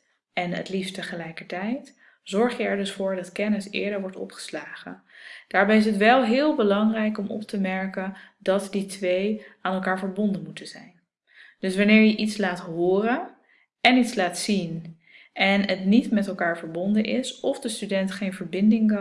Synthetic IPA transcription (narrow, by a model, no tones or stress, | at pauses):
ɛnə̰tlifstəχəlɛjkəɹtɛjt | z̥ɔɹχjəɛɹdɵsfʊːɹdɑtkɛnəsɪ̰ːɹdəɹʋɔɹtɔ̰pχə̥slaːχə̰ | d̥aːɹbɛjɪs̬ətʋɛlˠɦɪːlˠbəlɑŋrɛjkɔmɔ̰p̚təmɛɹkəndɑtditʋejaːnɛlˠkaːɹvəɹbɔndənmutənz̥ɛjn | d̥ɵsʋɑnɪːɹjəʔitslaːtɦʊːrən | ɛnitslaːtsin | ʔɛnətnitmɛtɛlˠkaːɹvəɹbɔndənʔɪsɔfdəstydɛntχejnvəɹbɪndɪŋ